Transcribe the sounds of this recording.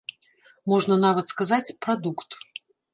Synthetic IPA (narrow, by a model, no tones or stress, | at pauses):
mɔʐnɐnavɐt̪skazat͡sʲpɾad̪ukt̪